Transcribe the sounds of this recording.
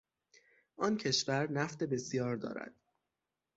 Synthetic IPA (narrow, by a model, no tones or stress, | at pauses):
ʔɒːncʰe̞ʃvæɾnæft̪e̞be̞sjɒːɾd̪ɒ̰ːɾæ̰d̪̥